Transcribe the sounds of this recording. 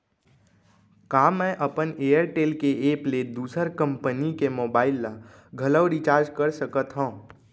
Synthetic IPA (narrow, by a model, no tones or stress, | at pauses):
kaːmɛ̃ːʔɐpəneːəɾʈeːlkeeːpled̪uːsəɾkə̃mpənikemoːbaːɪlːa | ɡʱɐləʊɾit͡ʃaːɾd͡ʒkəɾsəkət̪ɦõː